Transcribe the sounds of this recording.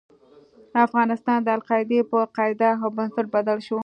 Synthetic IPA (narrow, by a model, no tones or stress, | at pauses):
afɣɑnɪst̪ɑnd̪əalqɑɪd̪epəqɑɪd̪axabʊnsɪʈ̚bad̪alʃo